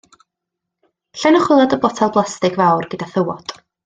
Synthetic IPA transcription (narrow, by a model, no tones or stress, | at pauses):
ɬɛnɔχwɪlˠadəbɔtʰalˠblˠastɪɡvawrɡ̥ədaθəwɔt